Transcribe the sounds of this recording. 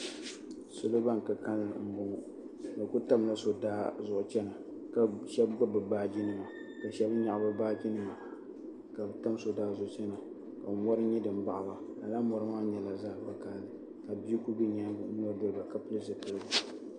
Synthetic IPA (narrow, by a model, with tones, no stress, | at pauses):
sʊ˦lo˦ba˦ŋ˨ka˨ka˦lm̩˨bʊ˨ŋ˦ | nɨ˨ku˦ta˦mla˦so˨daː˦zʊ˦˨ʔʊ˨t͡ʃɛ˦na˨ | ka˨ʃɛ˦bɡ͡ba˦bɨ˨baː˦d͡ʒi˦nɨ˨ma˨ | ka˨ʃɛ˦bɲa˨ʔba˦baː˦d͡ʒi˦nɨ˨ma˨ | ka˨bta˦m˦so˨daː˦zʊ˦ʔʊ˦t͡ʃɛ˦na˨ | ka˨˦wɔ˦ɾɨ˦ɲɛ˦dɨ˨m˦ba˨ʔa˨ba˨a˨la˦mɔ˨ɾɨ˦maː˦ɲɛ˨la˨zaː˦˨˦bɨ˦kaː˨lɨ˨ | ka˨bi˦i˦ku˦bɨ˦ɲa˦nɔ˦ɾdo˦lba˨ka˨pɨ˦lɨ˦zɨ˨pɨ˦lɡa˨